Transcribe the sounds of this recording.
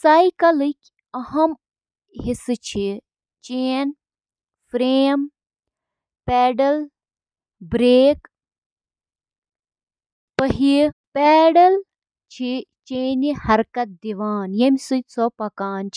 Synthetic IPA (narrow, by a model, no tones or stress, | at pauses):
sajkɐlɨkʲ | ɐhɐm | ɦisɨt͡ʃʰi | t͡ʃeːn | fɾeːm | pɛːɖɐl | bɾeːk | pɐɦipɛːɖɐl | t͡ʃʰit͡ʃeːnihɐɾkɐt̪̚d̪iʋaːnjɐmʲisɨt̪t͡sʰɔpɐkaːnt͡ʃʰi